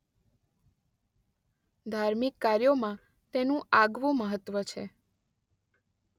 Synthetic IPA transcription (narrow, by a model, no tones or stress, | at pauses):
d̪ʱaɾmikːaɾjomã | t̪enũʔaɡʋũməɦət̪ːʋət͡ʃʰe